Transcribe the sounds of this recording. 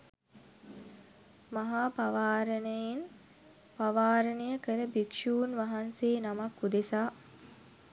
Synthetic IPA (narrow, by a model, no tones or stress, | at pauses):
maɦaːpaʋaːɾənəjen | paʋaːɾənəjəkəɾəbikʂuːnʋaɦanseːnamakːud̪esaː